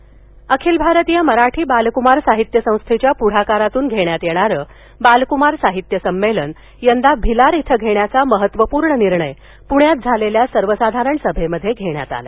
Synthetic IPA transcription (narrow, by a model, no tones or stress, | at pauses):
əkʰiːlbʱaɾət̪ijaməɾaʈʰiːbalkumaɾsaɦit̪jəsə̃w̃st̪ʰet͡ɕjapuɽ̤akaɾat̪uːnɡʱeɽjat̪jeɽ̃aɾəː | balkumaɾsaɦit̪jəsəmːelən | jənd̪abʱilaɾit̪ʰəɡʱeɳjat͡saməɦət̪ʋəpuːɾɳəniɾɳəj | puɳjat̪̚d͡zʱaleljasəɾʋəsad̪ʱaɾəɳsəbʱeməd̪ʱːjeɡʱeɳja̰t̪a̰lḛ